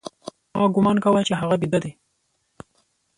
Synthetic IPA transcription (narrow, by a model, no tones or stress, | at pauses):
mɑɡʊmɑnkawajt͡ʃeɦaɣabid̪ad̪e